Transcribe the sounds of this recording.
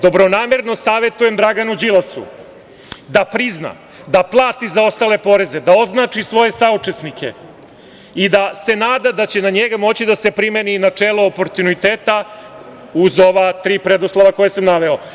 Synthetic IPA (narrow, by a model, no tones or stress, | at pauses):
d̪o̞bɾo̞naːmeɾno̞saːʋe̞t̪uje̞md̪ɾaɡanud͡ʑilˠasṵ | d̪apɾizna̰ | d̪aplˠaːt̪izao̞st̪aːle̞po̞ɾe̞zed̪ao̞znaːt͡ʂisʋo̞je̞saut͡ʂe̞snikʰe̞̰ | id̪ase̞naːd̪ad̪at͡ɕe̞naɲeɡamo̞t͡ɕid̪ase̞pɾimeninat͡ʂeːlˠoːpo̞ɾt̪unit̪eːt̪a | uzo̞ʋat̪ɾiːpɾed̪oslˠaʋako̞jesamnaʋe̞o